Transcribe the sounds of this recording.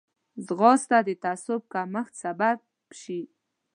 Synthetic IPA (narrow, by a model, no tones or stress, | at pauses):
zɣɑst̪ad̪ət̪asʊb̚kaməxt̪sabab | ʃi